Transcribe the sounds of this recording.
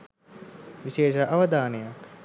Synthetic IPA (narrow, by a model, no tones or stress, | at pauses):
ʋiʃeːʃɐʔaʋəd̪aːnejak